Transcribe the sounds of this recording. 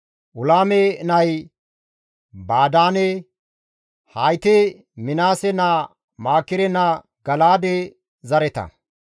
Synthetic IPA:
ʔʊlaːmɛnɐj | baːd̪aːnɛ | hajt̪ɛ | mɪnaːsɛna | maːkːɪɾɛnɐ | ɡɐlaːd̪ɛ | zɐɾɛt̪ɐ̰

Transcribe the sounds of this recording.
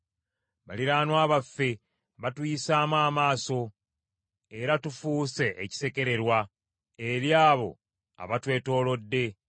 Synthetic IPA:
βaliɾaːnwaːβafːe̞ | βatujisaːmwaːmaːso̞ | e̞ɾatufuːse̞ʔːci̥se̞ke̞ɾe̞ɾwa | e̞ɾjaːβo̞̰ | a̰βatwe̞ːto̞ːlo̞dːe̞

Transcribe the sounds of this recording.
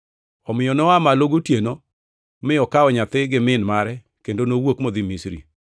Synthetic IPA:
ɔmɪjɔnɔamaloɡotjeno | mɪɔkaɔɲat̪ɪɡɪmɪnmaɾɛ | kendonowokmod̪imisɾḭ

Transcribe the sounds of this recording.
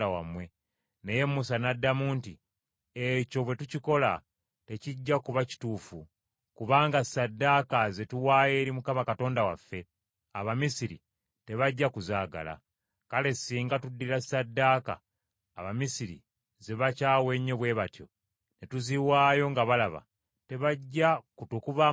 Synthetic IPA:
awamwe̞ | neje̞mːusanadːamuːnti | eco̞βwe̞tuciko̞la̰ | te̞ciɟːakuβaci̥tuːfu | kuβaːŋɡasadːakaze̞tuwaːje̞ːɾimukamakato̞ːndawa̰fːe̞ | aβamisiɾḭ | te̞βaɟːakuzaːɡa̰la̰ | kale̞siːŋɡatudːiɾasadːaːka̰ː | βamisiɾḭ | ze̞βacaːwe̞ɲːeβwe̞ːβatjo̞̰ | ne̞tuziwaːjo̞ŋɡaβalaβa̰ | te̞βaɟːakutukuβa

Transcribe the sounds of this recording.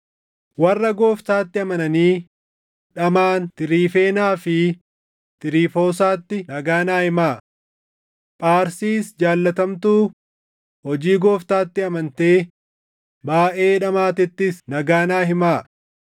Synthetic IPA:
wɐrːɐɡo̞ːft̪aːt̪ːɪɐmɐnɐniː | ᶑɐmaːnt̪ɪɾiːfe̞ːnaːfɪ | t̪ɪɾiːfo̞ːs̬aːt̪ːɪnɐɡaːnaːhɪmaː | pʼaːɾsiːsd͡ʒaːlːɐt̪ɐmt̪uː | hɔd͡ʒiːɡoːft̪aːt̪ːɪɐmɐnt̪e̞ː | baːʔe̞ːᶑɐmaːt̪ɪt̪ːɪsnɐɡaːnaːɦɪmaː

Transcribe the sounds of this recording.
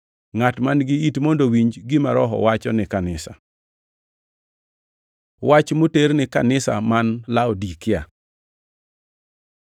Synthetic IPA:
ŋatmanɡɪitmondowiɲd͡ʒɡɪmaɾɔɦɔ̰wat͡ʃɔnɪkanɪsa̰ | wat͡ʃmuteɾnɪkanɪsa̰manlaɔdikɪa̰

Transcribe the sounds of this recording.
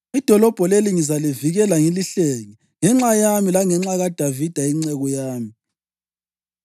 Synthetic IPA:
id̥ʱɔlɔb̥ʱɔleliŋizaliviɣɛlaŋiliɬeŋi | ŋɛŋ͡ǁajamilaŋɛŋ͡ǁaɣad̥ʱavid̥ʱaiŋ͡ǀɛɣɔjaːmi

